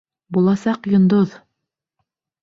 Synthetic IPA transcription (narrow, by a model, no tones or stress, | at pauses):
bulˠɑsɑqjŏnd̪oð